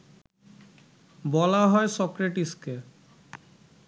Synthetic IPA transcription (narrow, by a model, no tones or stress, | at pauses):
bɔlaɦɔesɔkɾeʈiske